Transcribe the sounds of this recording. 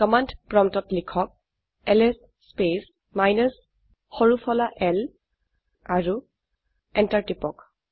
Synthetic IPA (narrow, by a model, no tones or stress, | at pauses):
kɔmandpɹɔmtɔtlikʰɔk̚ | ɛlɛsːpes | majnəs | xɔɹupʰɔlaʔɛl | aɹu | ɛntaɹtipɔk